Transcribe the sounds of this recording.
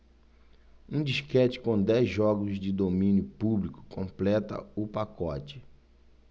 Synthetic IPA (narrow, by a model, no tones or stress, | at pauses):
ũd͡ʒiʃkɛt͡ʃɪ̥kõd̪ɛzʒɔɡʊzd͡ʒɪd̪omĩnjʊpublikʊ̥kõmplɛt̪ɐ̰ʊpakɔt͡ʃɪ̥